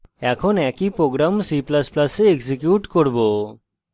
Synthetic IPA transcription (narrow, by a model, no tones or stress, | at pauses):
ɛkʰɔnɛkipɾoɡɾamsiplasplaseeksikjuʈkoɾbo